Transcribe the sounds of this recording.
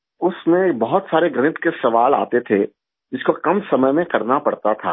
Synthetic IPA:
ʊsmẽbɐɦʊt̪saːɾeɡɾɐnɪt̪kesɐʋaːla̰ːt̪et̪ʰe | d͡ʒɪskokɐmsɐməjmẽkɐɾnapɐɽt̪at̪ʰa̰ː

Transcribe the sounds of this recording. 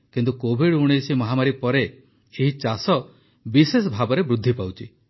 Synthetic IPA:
kint̪ukobʱiɽuɽ̃esimɔɦamaɾipɔɾeː | ɦit͡ʃasɔ | bises̬ɔbʱabɔɾebɾud̪ʱːipawt͡ʃʰi

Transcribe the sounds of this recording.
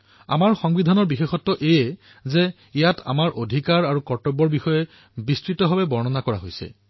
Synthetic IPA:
a̰maɹxɔŋbidʱanɔɹbixexɔtːɔʔejɛ | zɛ | ijatʰa̰maɹʔodʱikaɹaɹukɔɹtɔbɔɹbixɔjɛ | bistɹitɔɦɔbɛbɔɹnɔnakɔɹaɦojsɛ̰

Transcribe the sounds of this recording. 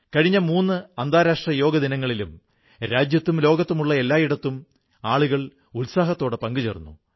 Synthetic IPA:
kɐɻiɲːɐmuːnːɨɐnd̪aːɾaːʂʈrɐjo̞ːɡɐðinɐŋːɐɭilum | ɾaːd͡ʑjɐt̪ːumlo̞ːɡɐt̪ːumuɭːɐe̞lːaːjiɽɐt̪ːum | aːɭuɣɐɭ | ulsaːɦɐt̪ːo̞ːɽɨpɐŋɡut͡ɕḛrunːṵ

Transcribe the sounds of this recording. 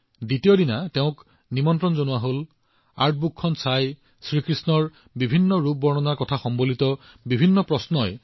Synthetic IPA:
ditijodinateʊ̃k | nimɔntɹɔnzonuwaɦol | a̰ɹt̚ʰbukʰːɔnsaj | sɹikɹisnɔɹ | bibʱinːɔɹub̚ːɔɹnɔnaɹkɔtʰaxɔmbolit̪ɔ | bibʱinːɔpɹɔsnɔj

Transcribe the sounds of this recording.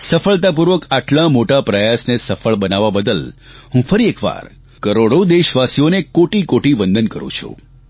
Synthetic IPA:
səfəɭt̪apuɾʋəkaʈlãmoʈapɾəjasnesəfəɭbənaʋabəd̪əlɦũfəɾiekʋa̰ɾ | kəɾoɽod̪eʃʋasijonekoʈikoʈiʋənd̪ʱənkəɾṵ̃t͡ʃʰṵ̃

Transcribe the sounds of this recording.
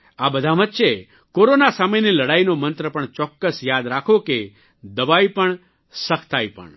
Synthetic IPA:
abəd̪ʱaʋətːʃe | koɾonasameniləɽainomənt̪ɾəpəɳt͡ʃɔkːəsjad̪ɾakʰoke | d̪əʋajpəɳ | səkʰt̪ʰajpə̰ɳ

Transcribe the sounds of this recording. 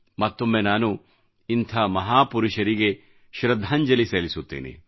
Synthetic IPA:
mɐt̪ːomːenaːnu | int̪ʰɐmɐɦaːpuɾuʃɐɾiɡe̞ | ʃɾɐd̪ʱaːɲd͡ʒɐliseːlisut̪ːḭːnḭ

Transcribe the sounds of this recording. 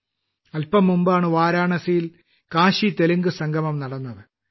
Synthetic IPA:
ɐlpɐmːumbaːɳɨʋaːɾaːɳɐsijil | kaːɕit̪elɐŋɡɨsɐŋɡʱɐmɐmnɐɽɐnːɐðɨ

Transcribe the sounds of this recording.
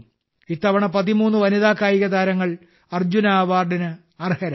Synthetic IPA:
it̪ːɐʋɐɳɐpɐðimuːnːuʋɐniðaːkːaːjiɣɐd̪aːɾɐŋːɐɭ | ɐrd͡ʑunaːʋaːrɖinɨ | ɐrhɐɾɐ

